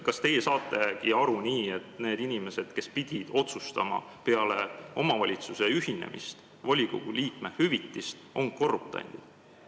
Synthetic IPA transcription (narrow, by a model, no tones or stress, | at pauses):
kɑst̪e̞je̞sɑːt̪ːˑe̞kiɑɾuniːe̞t̪ne̞ːd̪inime̞se̞d̪̥ke̞spid̪̥ʲid̪̥o̞t̪sust̪ɑmɑ̰ | pe̞ɑle̞o̞mɑvɑlʲit̪suse̞yɦinḛmʔḭst̪ | vɑlʲiɡ̥o̰ɡ̥uliːkmehyvit̪ːist̪ʔo̞ŋko̞rːup̚t̪ɑ̰jnd̪̥i̥